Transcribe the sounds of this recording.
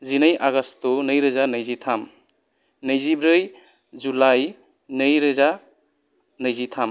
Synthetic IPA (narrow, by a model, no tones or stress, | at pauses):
zinajʔaɡastunɯjɾɯzanəjzitʰam | nɯjzibɾɯj | zulaj | nɯjɾɯza | nɯjzitʰam